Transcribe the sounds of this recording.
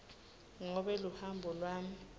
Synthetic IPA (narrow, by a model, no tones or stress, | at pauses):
ŋɔɓɛluhambʱɔlwaːm̩